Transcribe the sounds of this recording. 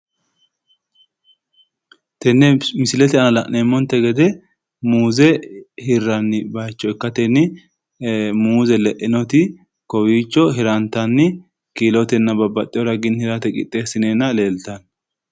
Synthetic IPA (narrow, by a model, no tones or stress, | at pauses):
t̪ɛnːɛmɪsɪlɛt̪ɛɐnɐlɐʔnemːɔnt̪ːɛɡɛd̪ɛ | muːzɛhɪrːɐnːɪbɐjt͡ʃːɔɛkːɐt̪ɛnːɪ | muːzɛlɛʔɪnɔt̪ɪ | kɔwiːt͡ʃːɔɦɪɾɐnt̪ɐnːɪ | kiːlɔt̪ɛnːɐbɐbːɐt̪ʼːɪjɔɾɐɡɪnhɪɾɐt̪ɛkʼɪ̰t̪ʼːeːsɪneːnːɐle̞ːlt̪ɐn